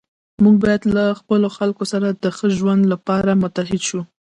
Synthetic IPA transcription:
muɡ̚bɑjad̪laxpəloxalkosaɾad̪əxəʒwand̪lapɑɾamʊt̪aɦɪd̪ʃu

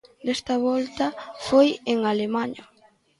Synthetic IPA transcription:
d̪ɛst̪ɐβɔlt̪ɐfojeŋalemaɲo

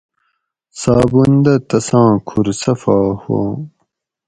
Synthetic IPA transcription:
saːbund̪ɐt̪ɐsãːkʰuɾsɐfaːho̰ː

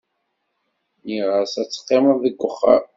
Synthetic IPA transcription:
niʁəsæt͡sːə̥qːeməððəɡʷːəχːə̰ɾ

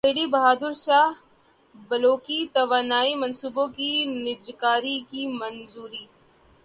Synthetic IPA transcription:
eːlibɐɦaːd̪ʊɾʃaːɦ | bɐloːkit̪ɐʋaːnaːimɐnsuːbõkinɪd͡ʒkaːɾikimɐnzuːɾiː

